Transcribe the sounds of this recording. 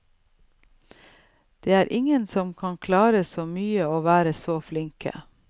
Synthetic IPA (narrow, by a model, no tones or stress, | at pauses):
d̪̥eːæːɾʔɪŋənsɔmkʰɑnkʰlɑːɾəsoːmyːəoːʋæːɾəsoːflɪŋkʰə̰